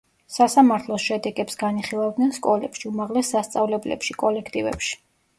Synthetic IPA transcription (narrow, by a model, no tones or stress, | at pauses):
sasamaɾt̪ʰlˠɔsʃɛd̪ɛɡʼɛpsɡaniχilˠavd̪nɛnskʼɔlɛpʃiumaʁlɛsːast̪sʼavlɛblɛ̰pʃikʼɔlɛkʰt̪ʼivɛ̰pʃi̥